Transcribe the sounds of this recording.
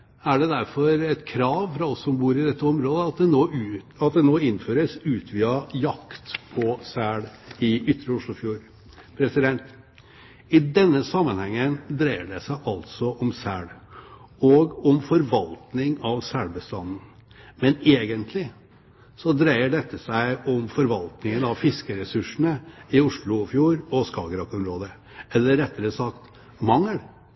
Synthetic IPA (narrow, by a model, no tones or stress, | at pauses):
æɖɛd̪æɾfɔɾɛt̪kʰɾɑːʋfɾɑɔsɔmbuːɾɪd̪ɛt̪ːəɔmɾoːd̪əɑt̪̚d̪ɛnoː | ɑt̪d̪ɛnoːɪnːføːɾəsʉːt̪ʰʋiːɑjɑkt̪pʰɔsæːɽɪʏt̪ːɾəʊʂɭʊfjuːɾ | pʰɾɛsɪd̪ɛnt̪ | ɪd̪ɛnːəsɑmːənhɛŋːənd̪ɾæɪəɖɛsæɪʔɑlt̪sɔʔɔmsæːɽ | ɔɡɔmfɔɾʋɑlt̪nɪŋɑʋsæɽbəst̪ɑnn̩ | mɛneːɡənt̪ʰlɪ | sɔd̪ɾæɪəɖɛt̪ʰːəsæɪɔmfɔɾʋɑlt̪nɪŋənɑʋfɪskəɾɛsʉʂn̩əɪʊʂɭʊfjuːɾɔskɑːɡəɾɑkɔmɾoːd̪ə | ɛlːəɾːɛt̪ːəɾəsɑkt̪ | mɑŋːəɽ